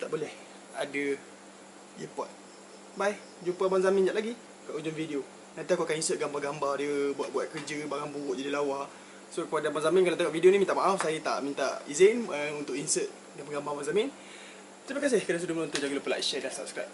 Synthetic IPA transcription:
t̪aʔbolɛh | a̰də | ipɔ̰t̪̚ | baj | d͡ʒumpabaŋzamɪ̃nd͡ʒaʔlaɡi | kaʔud͡ʒʊŋfideo | nant̪iakuakaninsət̪̚ɡambarɡambardiəbuat̪̚buat̪̚kərd͡ʒəbaŋanbuʔd͡ʒadilawa | sokəpadabaŋzamĩnkalat̪aŋaʔfidionimint̪aʔmaʔafsajət̪a̰ʔmint̪a̰izenəunt̪ʊʔinsət̪̚ | dambəɡambabaŋzamɪn | təɾəpakas̬ehkədas̬udʊməlõnt̪ud͡ʒaɡəlupəla̰jʃɛdasa̰p̚skɾa̰jp̚

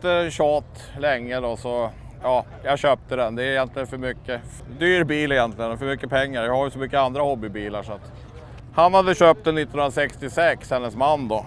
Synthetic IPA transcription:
t̪əɕɑːt̪ | lɛŋːəd̪ɔsɔ | jɑː | jɑɕøːp̚t̪əd̪ɛnd̪ɛæɾɪjɛnt̪lɪɡənfœɾmʏkːə | d̪yːɾbiːlɪjɛnt̪lɪɡənfœɾmʏkːəpʰɛŋːaɾjahaɾjɵsɔmʏkːəand̪ɾahɔbːɪbiːla̰ʂɔat̪ | hanhad̪ːəɕøːp̚t̪ɛnːɪt̪ːɔnɵənasɛkst̪ɪsɛkshɛnːəsmanːd̪ɔ

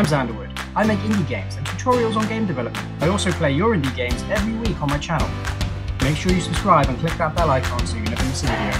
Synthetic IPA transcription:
ɪ̃mzæ̃ndəwʊd̥ | aɪmeɪkɪ̃ndiɡẽɪ̃mz̥ə̃ntʰətʰɔːɹiəlˠzn̩ɡẽɪ̃mdɨvɛləp̚m̃naɪɔˑlˠsoʊpʰl̥eɪjəɹɪ̃ndiɡẽɪ̃mzɛvɹiwiˑkn̩maɪt͡ʃʰanə̰lˠ | meɪkʃʊːɹjɨsə̥skɹaɪbə̃nkʰl̥ɪk̚ðət̚b̥ɛlaɪkʰɑ̃nsəjnɛvsĩ

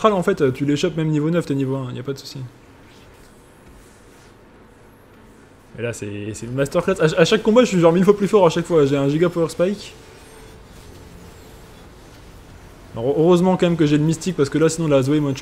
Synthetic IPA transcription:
χalɑ̃fɛt̪øt̪yleʃapmɛmnivonœft̪enivoɛ̃ḭljapad̪əsu̥si | mɛlasɛ̰sɛymast̪œʁklasaaʃakːɔ̃baʒəsɥiʒɑ̃ʁmilfwaplyfɔʁaʃakfwaʒeɛ̃ʒiɡapɔœʁspajkʲ | ɔøʁøzmɑ̃kɑ̃mɛmk̬əʒɛləmist̪ik̚paʁsə̥kəlasinɔ̃lazwɛmɛ̃d̪ʃ

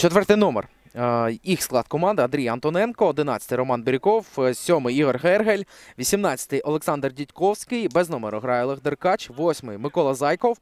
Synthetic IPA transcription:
t͡ʃɔt̪ʋɛrt̪ɪjnɔmḛr | ixsklˠɑd̪kɔmɑnd̪ɪɐnd̪ɾʲijɐɐnt̪ɔnɛnkɔːd̪ɪnɑt͡sʲɐ̥t̪ɪjɾɔmɑnbɪɾʲɪkɔwsʲɔmɪjiɦɔrɦɛrɦelʲʋʲisʲimnɑt͡sʲɐ̥t̪ɪjʔɔlˠeksɑnd̪rdʲitʲkɔwsʲkɪjbɛznɔmeɾʊɦɾɑjɔlˠeɣd̪erkɑt͡ʃʋɔsʲmɪjmɪkɔlˠɐzɑjkɔw

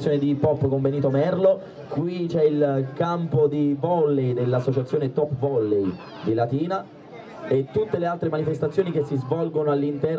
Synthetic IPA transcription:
sjoned̪ipɔpːkoɱveniːt̪omɛrlo | kwit͡ʃɛilkampod̪ivɔlːejd̪elːasːot͡ʃat̪sːjoːnet̪ɔpːvɔlːej | d̪ilat̪iːna | et̪ːut̪ːelealt̪ɾemanifest̪at̪sːjoːnikesːizvɔlɡonoalːint̪ɛ

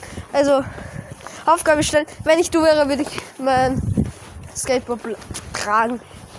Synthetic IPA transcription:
ʔalzo | ʔaʊfɡ̥aːbəʃtɛlənvɛnɪçd̥uːvɛːʁəvʏɐɾəɪçmaɪn | skɛɪt̚b̥ɔbltʁ̥aːɡŋ̩

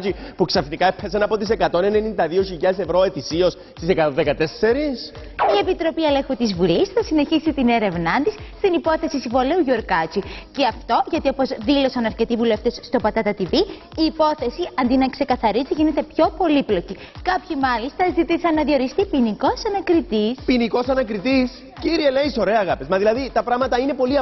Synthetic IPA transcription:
t͡ʃipuksɐfnikɐepesɐnɐpot̪ise̞kɐt̪o̞ne̞nenind̪ɐðioçiʎɐesevɾo̞e̞t̪isios | st̪isekɐt̪oðekɐt̪ese̞ɾis | ie̞pit̪ɾo̞piele̞xut̪izvulisθɐsine̞çisit̪ine̞ɾe̞vnɐnt̪isst̪inipo̞θe̞sisivo̞leuʝoɾkɐt͡ʃiceɐft̪o̞ʝɐt̪io̞po̞zðilo̞sɐnɐɾce̞t̪ivule̞ft̪e̞sːt̪o̞pɐt̪ɐt̪ɐt̪ivi | iːpo̞θe̞siʔɐnd̪inɐkse̞kɐθɐɾiziʝine̞t̪e̞pço̞po̞liplo̞ci | kɐpçimɐlist̪ɐzit̪isɐnːɐðio̞ɾist̪ipiniko̞sɐnɐkɾit̪ispiniko̞sɐnɐkɾit̪is | ciɾielejso̞ɾe̞ɐːɣɐpezmɐðilɐðit̪ɐpɾɐɣmɐt̪ɐine̞po̞liɐ

